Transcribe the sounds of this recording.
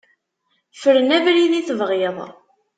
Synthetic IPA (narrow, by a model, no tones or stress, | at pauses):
fəɾənævɾiðiθvʁjəðˤ